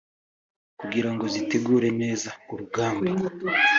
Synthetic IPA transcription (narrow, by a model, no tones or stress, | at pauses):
kuɡiɾaŋɡo̞zite̞ɡuːɾe̞ne̞ːzauɾuɡaːmba